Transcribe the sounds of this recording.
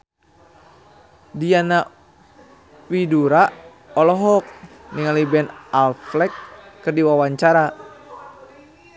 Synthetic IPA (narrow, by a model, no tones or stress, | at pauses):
diana | widuɾa | ɔlɔɦɔk̚ | niŋalibɛnalflɛkːɨrdiwawaɲt͡ʃaɾa